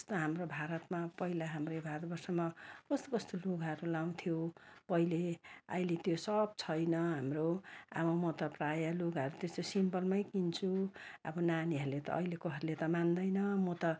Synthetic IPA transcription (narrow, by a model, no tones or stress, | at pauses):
ʌst̪oɦamrobʱaɾʌt̪mapʌilaɦamrejbʱaɾʌt̪bʌrsʌmʌkʌst̪okʌst̪oloɡɦʌɾulaw̃t̪ʰijopʌileʌ̰jlet̪josʌb̚t͡sʰʌjnʌɦamroa̰bʌmʌt̪ʌprajʌloɡɦʌɾut̪est̪osimpʌlmʌjkint͡sʰuʌbʌnaniɦʌɾulet̪ʌ̰ʔʌ̰jlekoɦʌɾulet̪ʌmand̪ʌjnʌmʌt̪ʌ